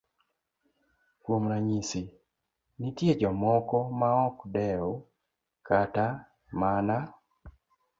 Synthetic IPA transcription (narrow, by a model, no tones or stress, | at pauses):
kwomɾaɲisi | nitjed͡ʒɔmɔkɔmaɔkdɛɔ | kata | mana